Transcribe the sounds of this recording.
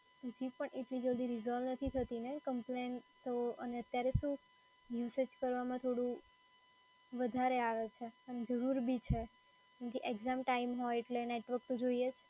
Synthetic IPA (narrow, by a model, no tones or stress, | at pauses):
t̪od͡ʒipəɳeʈlid͡ʒəld̪iɾizɔʋnət̪ʰit̪ʰət̪inekəmplent̪ʰəoʔəneət̪jaɾeʃũ | ʋiʋsət͡ʃkəɾʋamãt̪ʰoɽũ | ʋəd̪ʱaɾeaʋet͡ʃʰeəned͡ʒəɾuɾbʱit͡ʃʰe | kẽŋkiʔeɡzamʈaimɦɔjeʈleneʈʋək̚t̪ud͡ʒoiet͡ʃʰe